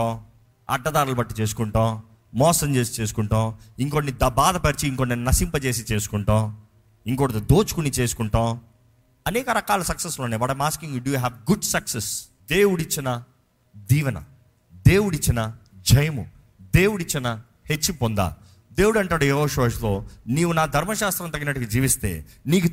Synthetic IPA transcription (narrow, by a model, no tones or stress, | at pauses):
õː | ɐ̰ɖːɐd̪aːɾulɐbɐʈːit͡ʃeːs̬u̥kuɳʈõː | mɔːsɐmt͡ʃeːsi̥t͡ʃe̞ːs̬u̥kuɳʈõːiŋkonːid̪ɐbaːd̪ɐpɐɾit͡ʃiːŋkonːeːnnɐsimpɐt͡ʃe̞ːs̬it͡ʃe̞ːsu̥kuɳʈõː | iŋkoːɽɐt̪ud̪oːt͡ʃu̥kunit͡ʃe̞ːsu̥kuɳʈõː | ɐnɛːkɐɾɐkaːlɐsɐksɐsloːneːʋɐːɽɐmaːskiŋjiːɖuɦɛːʋɡuɖsɐkses | d̪eːwuɽit͡ʃːinɐ | d̪iːʋɐnɐ̰ | d̪e̞ːwuɽit͡ʃːinɐ | d͡ʒɐjɐmṵ | d̪e̞ːwuɽit͡ʃːinɐ | het͡ʃːipond̪a̰ː | d̪eːwuɽɐɳʈaːɽujeːɦoːʃɐʋɐʃlo̞ːniːwunaːd̪ʱɐɾmɐʃaːst̪ɾɐmt̪ɐɡinɐʈːukid͡ʒiːʋist̪e̞̰ːniːku